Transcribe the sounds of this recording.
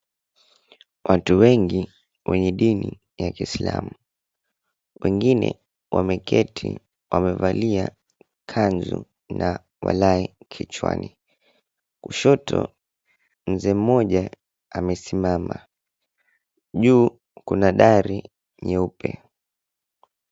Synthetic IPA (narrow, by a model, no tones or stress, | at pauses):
wʔatuwɛŋɡi | wɛɲɛɗini | jakiːslamu | wɛŋɡinɛ | wamɛkʰɛtʰi | wamɛvalia | kʰanzṵ | na | wa̰laikʰit͡ʃwa̰ni | kuʃɔtʰɔ̰ | n̩zɛm̩mɔʄa | amɛsimama | ʄuː | kunaɗaɾi | ɲɛupʰɛ